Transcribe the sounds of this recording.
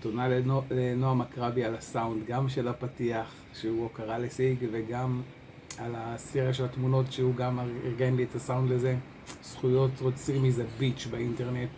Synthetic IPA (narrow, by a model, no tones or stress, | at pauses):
tonalelenoamakʁabialasaundɡamʃelapatiaχ | ʃeuokaʁalesiɡveɡam | alasiʁaʃelatmuno̞tʃeuɡamaiʁɡenlietasaundleze | sχujo̞tʁot͡simizabit͡ʃbainteʁnet